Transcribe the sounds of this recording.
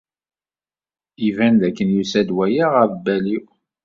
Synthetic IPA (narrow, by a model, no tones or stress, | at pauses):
ivænðækːənjusæd̪wæjaʁævbːæliw